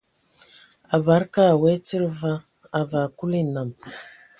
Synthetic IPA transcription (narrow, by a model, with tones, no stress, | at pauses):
a˨ba˨˦ɾka˦˨we˦t͡si˦ɾva˦ | a˨va˨ku˦li˦˨na˨m